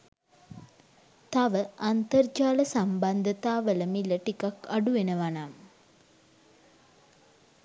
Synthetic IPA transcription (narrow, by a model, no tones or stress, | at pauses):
t̪aʋəant̪ərd͡ʒaːləsamband̪ət̪aːʋələmiləʈikakaɖuʋenəʋanam